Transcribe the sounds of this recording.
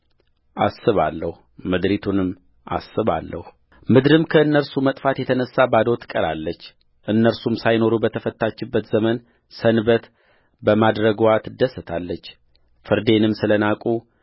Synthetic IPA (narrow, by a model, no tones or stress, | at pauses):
ʔasːɨβa̰lːəhu | mɨd̪ɾit̪ʰunɨmː | ʔa̰sːɨβa̰lːə̰hu | mɨd̪ɾɨmkʰəɨnːəɾsumət̪ʼfat̪jɛt̪ʰənəsːabad̪o̞t̪ʰɨ̥kʼəɾalːət͡ʃː | ʔɨnːəɾsumsajno̞ɾubət̪ʰəfət̪ːat͡ʃːɪbːət̪zəmən | sənbət̪ | bəmad̪ɾəɡwat̪d̪əsət̪ʰalːət͡ʃː | fɨɾd̪e̞nɨmsɨlənakʼu